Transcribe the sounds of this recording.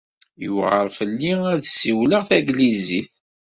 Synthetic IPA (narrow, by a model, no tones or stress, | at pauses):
juʁəɾˤfəlːiæðsiwləʁθæɡliziθ